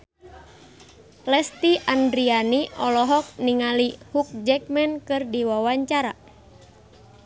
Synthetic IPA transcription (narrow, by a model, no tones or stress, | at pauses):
lɛst̪iʔandɾianiʔɔlɔɦɔk̚niŋalihuk̚d͡ʒɛk̚mɛnkɨrdiwawaɲt͡ʃaɾa̰